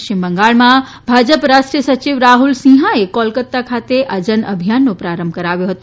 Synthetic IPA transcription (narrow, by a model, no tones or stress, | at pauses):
imbəŋɡaːɭmã | bʱaːd͡ʒəpɾaːʃʈɾiəsət͡ɕiʋɾaːɦulsĩːɦãekɔlkət̪ːakʰaːt̪eʔəd͡ʒənə̰bʱijanːopɾaːɾəmbʱkəɾaːʋjoɦət̪o